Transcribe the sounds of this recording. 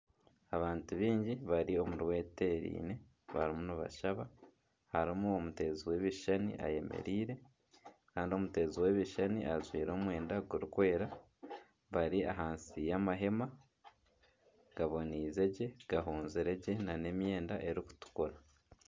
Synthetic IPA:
aβaːntuβiːɲɟiβaɾio̞muɾwe̞ːte̞ɾḭːne̞ | βa̰ɾimunoβa̰ʃaβa | haɾimuomute̞ːziwe̞ːβiʃanḭʔa̰je̞̰mḛɾiːɾe̞ | kaːndio̞mute̞ːziwe̞βiʃaniʔazwiːɾo̞ːmwe̞ːndaɡuɾukwe̞ːɾa | βaɾiaɦaːnsijamaɦe̞ma | ɡ̥aβo̞niːze̞ɟe̞ɡ̥aɦoːnziɾe̞ɟe̞nane̞mje̞ːndaʔe̞ɾiku̥tu̥kuɾa

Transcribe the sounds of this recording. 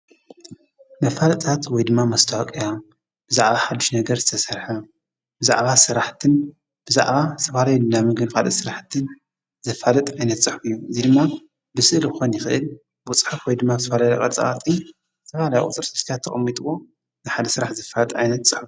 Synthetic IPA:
mɐfalɐt̪ʼʰat̪wɔjd̪ɨmːamɐst̪ʰawakʼija | b̥ɨzaʕβaħad̪ːuʃnɐɡɐɾzɨt̪ʰɐsɐɾħa | bɨzaʕβasɨɾaħt̪ʰɨn | b̥ɨza̰ʕβazɨt̪ʰɐfalajulɨnːamɨɡɨnkʰalɨ̰sɨɾaħt̪ʰɨn | zɐfalɐt̪ʼʕajnɐt̪sʼɨħfɨjːuɨzid̪ɨmːa | bɨsɨʔlɨxonjɪxɨʔɨl | bɨʊt͡sʼħafwɔjd̪ɨmːazɨt̪ʰɐfalajkʼɐ̰t͡sʼɐ̰ʔa̰t̪ʼːi | ɨ̥t̪ʰɐfalaja̰ʔʼʊ̰t͡s̪ʼɨɾsɨt̪ʰt̪ʰat̪ʰːɐxʼɐmːit̪ʼɨwo̞ | nɨħad̪ɐsɨɾaħzɐfalɐt̪ʼʕajnɐt̪sʼɨħf

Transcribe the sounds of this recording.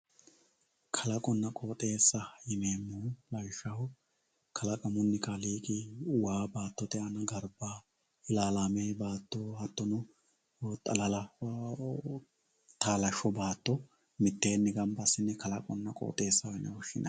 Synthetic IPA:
kʰɐlɐkʼɔnːɐkʼoːt̪ʼe̞ːsːɐjɪmeːmːulɐjʃːɐhʊ | kʰɐlɐkʼɐmʊnːɪkaliːkʼɪʊwaːbaːt̪ːɔt̪ɛʔɐnɐɡɐɾbaː | ɪlaːlaːmeːbaːt̪ːɔhɐt̪ːɔnɔ | t̪ʼɐ̰lɐlɐ | t̪aːlɐʃɔbaːt̪ːɔ | mɪt̪ːe̞ːnːɪɡɐmbɐsːɪnːɛkɐlɐkʼɔnːɐkʼo̰ːt̪ʼe̞ːsːɐɪnɐwɔʃɪ̰nɐ̰

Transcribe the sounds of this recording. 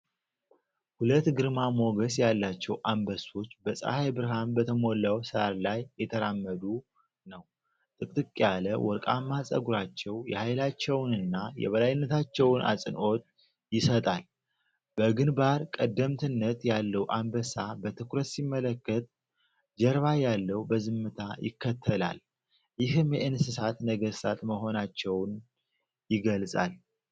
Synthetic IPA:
hulət̪ːɡɨɾmamo̞ɡəsjalːat͡ʃːɛwʔambəso̞t͡ʃːbəsʼa̰hajbɨɾɦanbət̪ʰəmo̞lːawsɨaɾlajːɛt̪ʰəɾamːəd̪u | nəw | t̪ʼɨkʼt̪ʼɨkʼːjaləwʔɔɾkʼamːasʼə̰ɡuɾat͡ʃːɛwjɛ̰hajlat͡ʃːɛwnɨnːajɛ̰βəlajɪnːət̪ʰat͡ʃːɛwnʔa̰sʼɨnʔo̞t̪ʼ | jɪsət̪ʼal | b̥əɡɨnbaɾkʼəd̪ːəmt̪ʰɨnːət̪jalːəwʔambəsabət̪ʰɨkɾət̪simːələkːət̪̚ | d͡ʒɛɾβajalːəwbəzɨmːɨt̪ʰajɪ̰kʰːət̪ʰːəla̰l | jɪɦɨmjɛʔɨnsɨsat̪nəɡəɾsat̪məɦo̞nat͡ʃːɛwn | jɪɡəlsʼa̰l

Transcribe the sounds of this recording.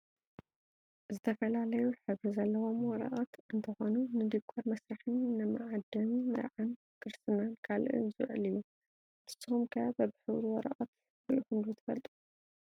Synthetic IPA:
zɨt̪ʰɐfɐlalɐjuħɨβɾizɐlːɐwo̞mwɔɾɐ̰ʔat̪ɨnt̪ʰɐxo̞nunɨd̪ikʰːɐɾmɐsɾaħɨnːɨmɨʕad̪ɐmmɨ̰ɾʕan | kʰɨɾst̪ɨnankʰalʔɨ̰nzɨ̰wʕɨlɨjːu | ʔɨstːɨumkʰɐjabɐbɨħɨwɾwɔɾɐ̰ʔɐt̪ | iʔuxɨmd̪ut̪ʰɨfɐlt̪ʼu̥

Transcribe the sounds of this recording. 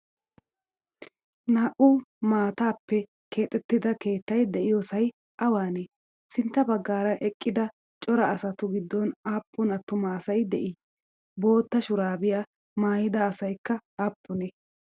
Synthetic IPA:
naːʔʊmaːt̪aːpːɛ | ke̞ːt̪ʼːɛt̪ːɪd̪ɐke̞ːt̪ːɐjd̪ɛʔɪjosɐj | ʔɐwaːne | sɪnt̪ːɐbɐɡːaːɾɐʔɛkʼːɪd̪ɐ | t͡ʃʼɔɾɐːsɐt̪ʊɡɪd̪ːɔnaːpːʊnɐt̪ːʊmaːsɐjd̪ɛʔɪ | bo̞ːt̪ːɐʃʊɾaːbɪja | maːjɪd̪ɐːsɐjkːɐaːpːʊnɛ

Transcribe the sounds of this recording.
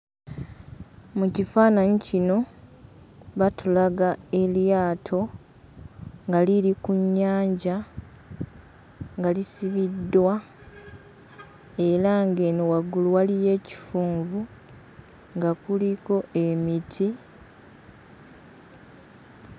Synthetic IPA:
mucifaːnaɲicino̞ | βatulaɡae̞ljaːtʰo̞ | ŋɡaliɾikuɲːaːɲɟa | ŋɡalisiβidːwa | e̞ɾaŋɡe̞newaɡuluwalije̞ːci̥fuːɱvu | ŋɡakuliko̞ʔe̞mitʰi

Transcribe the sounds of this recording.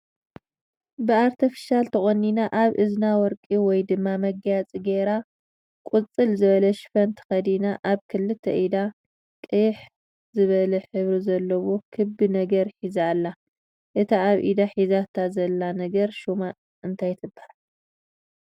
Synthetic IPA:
bɨaɾt̪ʰifi̥ʃalt̪ʰɐχʼonːinaʔaβʔɨznawɔɾkʼiwɔjd̪ɨmːamɐɡjat͡sʼiɡeɾa | kʼut͡sʼɨlzɨβɐlɐʃfɐnt̪ʰɨ̥xɐd̪inaʔaβkʰɨlːɨt̪ʰːɐʔid̪a | kʼɨjɪħ | zɨβɐlɐħɨβɾizɐlːɐwokʰɨbɨnɐɡɐɾħizalːa | ʔɨt̪ʰiaβʔḭd̪aħizat̪ʰazɐlːanɐɡɐɾʃuma | ʔɨnt̪ʰajt̪ʰɨbːa

